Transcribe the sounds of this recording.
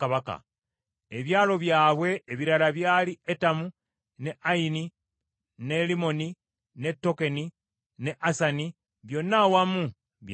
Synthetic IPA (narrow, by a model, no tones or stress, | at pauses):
aβaka̰ | e̞βjaːlo̞βjaːβwe̞ːβiɾalaβjaːlietamu | ne̞ʔaini | ne̞limo̞ni | ne̞tːo̞ke̞ni | ne̞ʔasani | βjo̞nːawamu | βj